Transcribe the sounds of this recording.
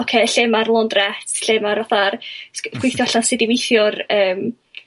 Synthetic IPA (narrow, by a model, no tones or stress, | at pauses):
ɔkʰeːɬemarlˠɔndrɛtʰɬemaɾɔθarsɡ̥wɪjθjɔɬansɪdivɪjθjʊrəːm